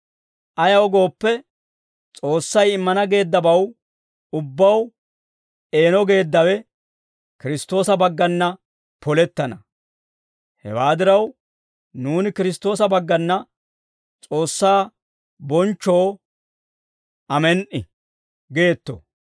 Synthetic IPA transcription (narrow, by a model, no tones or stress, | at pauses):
ʔɐjɐwɡo̞ːpːɛ | t͡sʼo̞ːsːɐjɪmːɐnɐɡe̞ːd̪ːɐbɐw | ʊbːɐw | e̞ːnɔɡe̞ːd̪ːɐwɛ | kɪɾɪst̪o̞ːsɐbɐɡːɐnːɐ | pɔlɛt̪ːɐnɐ | hɛ̰waːd̪ɪɾɐw | nuːnɪkɪɾɪs̬t̪o̞ːsɐbɐɡːɐnːɐ | t͡sʼo̞ːsːaː | bɔnt͡ʃːo̞ː | ʔɐmɛnʔɪ̰ | ɡe̞ːt̪ːɔ̰